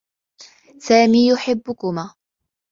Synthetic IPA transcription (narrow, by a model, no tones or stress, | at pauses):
saːmiːjʊħɪbːʊkʊmaː